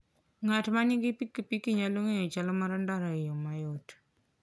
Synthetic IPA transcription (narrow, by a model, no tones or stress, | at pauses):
ŋatmanɪɡɪpikːipikiɲaloŋejot͡ʃalɔmaɾandaɾaɪjomajot